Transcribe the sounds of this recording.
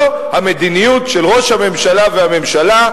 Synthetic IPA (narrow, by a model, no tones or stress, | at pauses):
hame̞d̪inijutʃelʁo̞ʃhame̞mʃalavehame̞mʃala